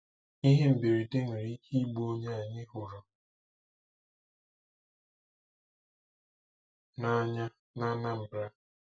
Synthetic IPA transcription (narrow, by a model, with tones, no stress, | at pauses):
i˦ɦe˦m̩˨be˨ɾi˨de˦ŋ̩˨ɾi˦hi˦ɡ͡bo˦ɲe˦a˨ɲɪ˦ɦʊ˨ɾɔ˨ | na˦ɲa˦ | na˦na˦m̩˨bɾa˦